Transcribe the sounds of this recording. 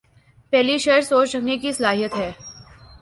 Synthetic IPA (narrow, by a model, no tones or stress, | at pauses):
pɛɦliʃeɾsoːt͡ʃɾɐknekisɐlaːɦijət̪ɦɛː